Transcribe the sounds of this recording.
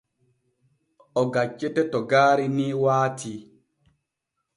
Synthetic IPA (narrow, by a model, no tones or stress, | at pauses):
ɔɡat͡ʃːetɛtɔɡaːɾiniwaːtʰi